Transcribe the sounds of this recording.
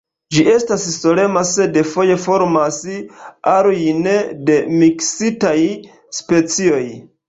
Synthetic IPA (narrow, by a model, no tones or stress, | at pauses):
d͡ʒiʔe̞stasso̞le̞mase̞defo̞je̞fo̞ɾmasaɾojnede̞miksitaj | spe̞t͡sio̞j